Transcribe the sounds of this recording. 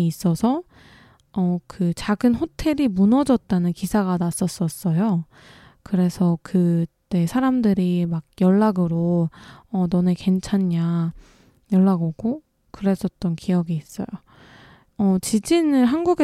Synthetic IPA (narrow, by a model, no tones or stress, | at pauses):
s͈ʌsʰʌ | ʌkɯt͡ɕaɡɯnɸotʰe̞ɾimunʌd͡ʑʌt̚t͈anɯnkisʰaɡanas͈ʌs͈ʌs͈ʌjo | kɯɾe̞sʰʌkɯt͈e̞sʰaɾamdɯɾimak̚jʌɭːaɡɯɾoʌnʌneke̞nt͡ɕʰaɲːa | jʌɭːaɡʌɡo | kɯɾe̞s͈ʰʌt̚t͈ʌnkʰijʌɡiːs͈ʌ̰jo | ʌt͡ɕid͡ʑinɯɭɦanɡuɡe